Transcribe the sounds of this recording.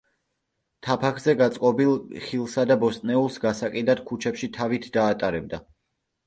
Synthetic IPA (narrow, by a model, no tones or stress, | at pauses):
t̪ʰapʰakʰzɛɡat̪sʼqʼɔbilˠχilˠsad̪abɔst̪ʼnɛulˠsɡasakʼid̪ad̪̥̚kʰut͡ʃʰɛpʃit̪ʰavit̪ʰd̪aːt̪ʼaɾɛb̚d̪a